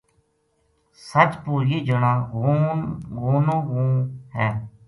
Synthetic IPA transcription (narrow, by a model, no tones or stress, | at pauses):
sət͡ʃpuːɾiːd͡ʒəɳãː | ɡuːnõːɣũːɦɛ̃ː